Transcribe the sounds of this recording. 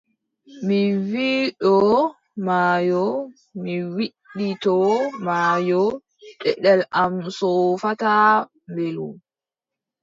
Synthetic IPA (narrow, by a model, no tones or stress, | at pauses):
miwiːɗɔ | maːjɔ | miwiɗːitɔmaːjɔ | tɛɗɛlʔamsɔfata | mbelṵ